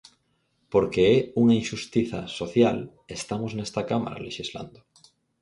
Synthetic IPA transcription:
poɾkeɛuŋainʃust̪iθa̰soθjal | est̪amoznest̪akama̰ɾa̰leʃizla̰nd̪o

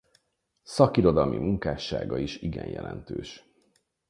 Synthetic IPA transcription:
sɒkiɾo̞d̪ɒlmimuŋkaːʃːaːɡɒiʃiɡɛɲjʔɛlɛnt̪øːʃ

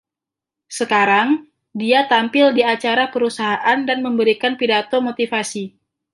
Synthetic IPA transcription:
səkaɾaŋ | diat̪ampɪldiat͡ʃaɾapəɾusaɦaʔandanməmbəɾikanpidat̪omot̪ifasi

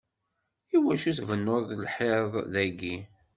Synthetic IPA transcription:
iwæʃiθvənːoððlħeðˤðæɡi

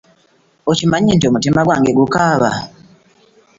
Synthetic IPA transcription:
ocimaɲiːntio̞mutimaɡwa̰ːŋɡe̞ɡukaːβa̰

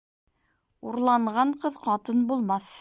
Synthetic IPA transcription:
uɾlˠɑɴʁɑɴqɤðqɑt̪ɤnbulˠmɑθ

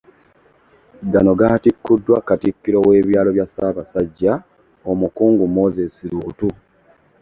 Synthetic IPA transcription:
danoɡaːtikːudːwakatikːiɾo̞we̞ːβjaːlo̞βjasaβasaɟːa | omukuːŋɡumo̞zesiɾutu

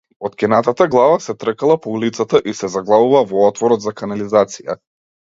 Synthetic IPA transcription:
ɔt̪kʲɛnat̪at̪aɡlˠavasɛt̪rəkalˠapɔulit̪sat̪aʔisɛzaɡlˠavuvavɔɔt̪vɔɾɔd̪zakanalizat̪sija̰

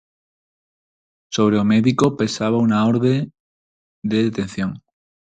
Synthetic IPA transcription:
soβ̞ɾeomeðikope̞saβ̞aunaoɾðe | d̪eðet̪en̟θjoŋ

